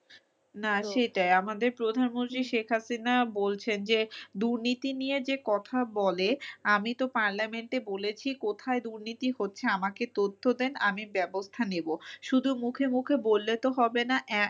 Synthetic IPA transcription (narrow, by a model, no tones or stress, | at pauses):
naʃejʈajamad̪eɾpɾod̪ʱanmõnt̪ɾiʃekʰɦasinabolt͡ɕʰend͡ʑed̪uɾnit̪inijed͡ʑekɔt̪ʰabɔleamit̪opaɾlameɳʈebolet͡ɕʰikot̪ʰaed̪uɾnit̪iɦotːɕʰeamaket̪ot̪ʰːod̪enamibɛbost̪ʰaneboʃud̪ʱumukʰemukʰebolːet̪oɦɔbenaʔɛ